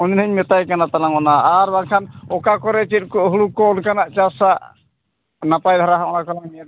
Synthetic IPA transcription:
ɔninəɲmɛt̪ajkanat̪alaŋɔnaːɾbaŋkʰanɔkakɔɾet͡ʃit̪̚kɔɦulukːɔːnkanaʔt͡ʃasa | napajd̪ʱaɾaɦaɔnakalaŋmiad̪

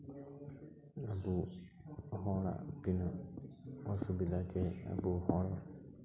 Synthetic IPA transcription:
abu | ɦɔɭa̰kinɔ | ɔsubid̪akea̰buɦɔɭa

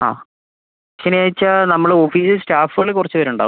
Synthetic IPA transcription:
a̰ː | ɕɐnjaːjit͡ɕːɐnɐmːɐɭofiːsɨsʈaːfuɣɐɭekurɐt͡ɕːɨʋɐɾuɳɖa̰ːu

